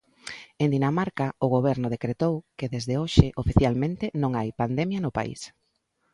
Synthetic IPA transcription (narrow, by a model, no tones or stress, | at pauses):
end̪inamaɾkaʊɣ̞oβɛɾnʊð̞ekɾet̪owkeðezðeoʃɪʔofiθjalmẽnt̪ɪnõŋajpand̪ɛmjɐnʊpa̰ḭs